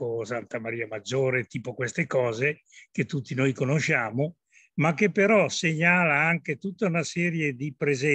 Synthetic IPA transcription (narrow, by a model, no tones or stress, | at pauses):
osant̪amaɾiːamad͡ʒːoːɾet̪iːpokwest̪ekɔːze | ket̪ːut̪ːinojkonoʃaːmo | mak̟ːepːeɾɔseɲaːlaaŋket̪ut̪ːaunasɛːɾjed̪ipɾezɛ